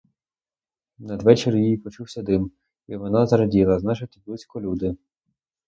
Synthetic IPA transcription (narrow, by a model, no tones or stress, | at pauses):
nɐd̪ʋɛt͡ʃeɾʲjjijpɔt͡ʃuwsʲɐd̪ɪm | iʋɔnɑzɐɾɐdʲilˠɐznɑt͡ʃɪt̪ɪblˠusʲkɔlʲud̪ɪ